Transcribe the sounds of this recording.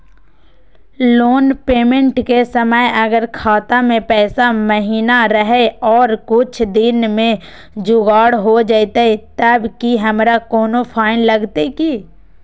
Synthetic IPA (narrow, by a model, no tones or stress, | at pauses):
loːnpeːmə̃ɳʈkesəməjɐɡəɾkʰaːt̪amẽpɛːsaməɦiːnaɾəɦeɔːɾkʊt͡ʃʰd̪ɪnmẽ | d͡ʒʊɡaːɽɦod͡ʒaːt̪ait̪ɐbkiɦɐmɾakɔːnopʰaːɪnlɐɡt̪eki